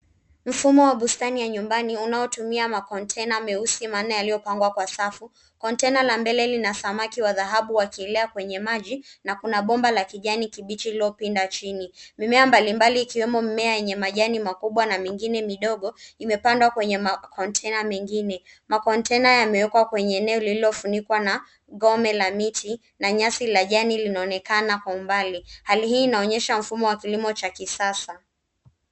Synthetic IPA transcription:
m̩fumɔwaɓustanijaɲumbaniunaɔtumiamakɔntʰɛnamɛusimaːnajalijɔpaŋɡwakwasafu | kɔntɛnalambɛlɛlinasamakiwaðaɦaɓuwakiɛlɛakwɛɲɛmaʄinakunaɓɔmbalakiʄanikiɓit͡ʃiliɔpindat͡ʃinimimɛambalimbaliːkiwɛmɔmimɛajɛɲɛmaʄanimakuɓwanamiŋɡinɛmiɗɔɠɔimɛpandwakwɛɲɛmakʰɔntʰɛnamɛŋɡinɛmakɔntɛnajamɛwɛkwakwɛɲɛːnɛɔlililɔfunikwana | ɡɔmɛlamiti | naɲasilaʄanilinaɔnɛkanakwaumbalihaliɦiːnaɔɲɛʃaɱ̩fumɔwakilimɔt͡ʃakisasa

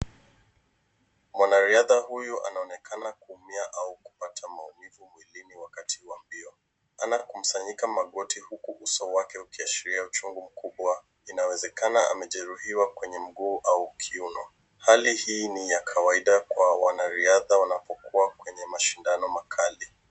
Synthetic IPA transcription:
mwanaɾiaðahujuʔa̰naɔnɛkʰanakuːmiaʔauku̥patʰamaumivumwiliniwakatihwambiɔ | anakum̩saɲikamaɠɔtihukuʔusɔwakɛukiaʃiɾiaut͡ʃuŋɡum̩kuɓwa | inawɛzɛkanaʔa̰mɛʄɛɾuhiwakwɛɲɛm̩ɠuːʔaukʰiunɔ | halihiːnijakʰawaiɗakwawanaɾiaðawanapɔkuakwɛɲɛmaʃindanɔmakʰali

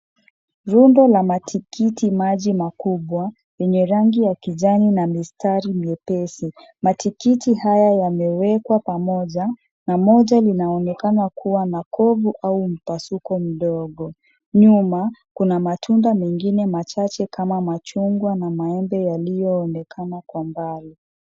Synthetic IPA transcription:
ɾundɔlamatʰikitimaʄimakuɓwa | jɛɲɛɾaŋɡijakiʄaninamistaɾimiɛpɛsi | matikitihajajamɛwɛkwapamɔʄa | namɔʄalinaɔnɛkanakuwanakɔvuʔaum̩pasukɔm̩ɗɔɠɔ | ɲumakunamatʰundamɛŋɡinɛmat͡ʃat͡ʃɛkamamat͡ʃuŋɡwanamaɛmbɛjalijɔːnɛkʰanakwambali

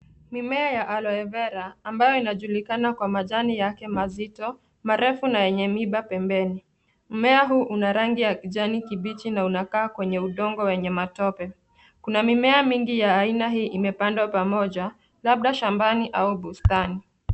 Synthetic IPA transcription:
mimɛajaʔalɔɛvɛɾaːmbajɔinaʄulikanakwamaʄanijakɛmazitɔ | maɾɛfunajɛɲɛmiɓapɛmbɛni | m̩mɛaɦuːʔunaɾaŋɡijakiʄanikiɓit͡ʃinaunakaːkwɛɲɛuɗɔŋɡɔwɛɲɛmatɔpɛ | kunamimɛamiŋɡijaːinaɦiːʔimɛpandwapamɔʄa | laɓ̚ɗaʃambaniʔauɓustani

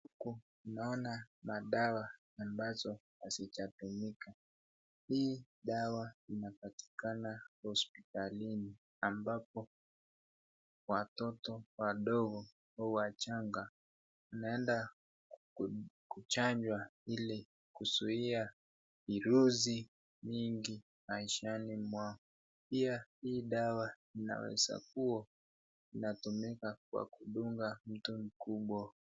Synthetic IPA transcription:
uku | naɔnamaɗawaː | mbazɔhazit͡ʃatumika | hiː | ɗawainapati̥kanahɔspitalini | ambap̚ɔ | watɔtɔwaɗɔɣɔ | hauwat͡ʃaŋɡa | anaɛnda | kut͡ʃaɲd͡ʒwaili | kusuia | iɾuzi | miŋɡi | maiʃanimwaŋɔ | piahiːɗawa | ina̰wɛ̰za̰kuɔ | inatumikakwa̰kuɗuŋɡam̩tum̩kuɓwa

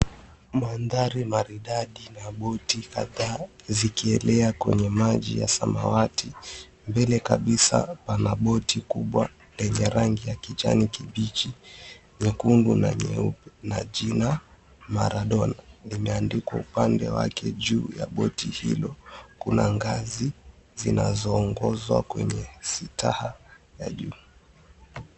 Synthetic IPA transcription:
manðaɾimaɾiɗaɗinaɓɔtika̰ðaːzikiɛlɛakwɛɲɛmaʄḭja̰sama̰wati | mbɛlɛkaɓisa̰panaɓɔtʰikuɓwa | lɛɲɛɾaŋɡijakit͡ʃa̰nikiɓit͡ʃi | ɲɛkundunaɲɛunaʄina | maɾaɗɔnanimɛandikwaupandɛwa̰kʰɛʄuːjaɓɔtihḭlɔkunaŋɡazizinazɔːŋɡɔzwakwɛɲɛsitahajaʄuː

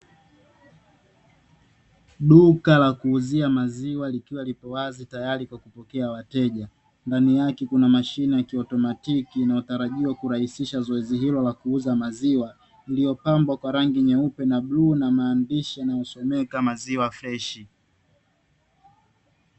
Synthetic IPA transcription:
ɗukalakuːziamaziwalikiwalipɔwazitajaɾikwakupɔkɛawatɛʄa | ndanijakɛkunamaʃinijakiɔtɔmatikinautaɾaʄiwakuɾahisiʃazɔɛziɦilɔlakuuzamaziwa | ilijɔpambwakwaɾaŋɡiɲɛupɛnaɓluːnamaːndiʃianajɔsɔmɛkamaziwaflɛʃi

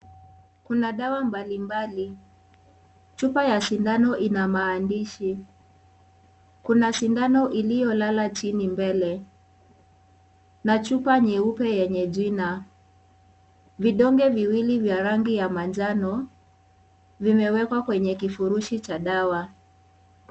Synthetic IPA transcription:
kunaɗawambalimbali | t͡ʃupajasindanɔʔinamaːndiʃi | kunasindanɔʔilijɔlalat͡ʃinimbɛlɛ | nat͡ʃupaɲɛupɛjɛɲɛʄina | viɗɔŋɡɛviwilivjaɾaŋɡijamand͡ʒanɔ | vimɛwɛkwakwɛɲɛkifuɾuʃit͡ʃaɗawa

